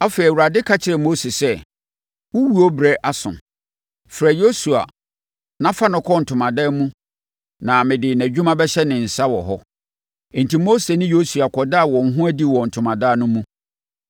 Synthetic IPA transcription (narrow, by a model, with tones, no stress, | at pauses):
a˦fe˨ɾi˨wu˨ɾa˨dɪ˦kʰa˦t͡ɕʰɪ˨ɾɛ˨mo˦se˨sɛ˦ | wʊ˦wu˦o˦bɾɛ˦ʔa˦sʊ̰̃˨ | fɾɛ˨jo˦su˨a̰˨ | nã˦fa˦nʊ̃˨kʰɔ˦n̩˨tʰʊ̃˨mã˨daː˦mũ˦ | nã˨mɪ̃˨dɪ˨næ˨d͡ʑᶣu˦mã˦bɛ˦ɕɛ˦nɪ̃˨n̩˨sa˦wɔ˨ɦɔ˦˨ | n̩˨ti˨mo˦se˨nɪ̃˦jo˦su˨a˨kʰɔ˨da˦a˨wɔ̃˨ŋ̩˨˦ɦʊ̃˦æ˦di˦wɔ˨n̩˨tʰʊ̃˨mã˨daː˦nʊ̃˦mũ˦